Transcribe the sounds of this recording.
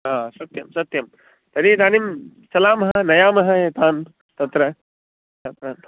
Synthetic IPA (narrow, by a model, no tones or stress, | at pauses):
ɦaːsɐt̪jɐmsɐt̪jɐm | t̪ɐɾid̪ʱaːnimsɐlaːmɐɦɐnɐjaːmɐɦɐeːt̪aːn | t̪ɐt̪ɾɐ | t͡ʃɐt̪ɾaːn